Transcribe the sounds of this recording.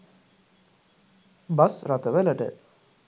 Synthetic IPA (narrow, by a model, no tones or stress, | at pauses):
basɾat̪əʋələʈə̰